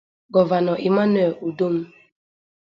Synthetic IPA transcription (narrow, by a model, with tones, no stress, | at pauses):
ɡɔ˨va˨nɔ˨ʔi˨ma˦nɛ˨u˨do˦m̩˦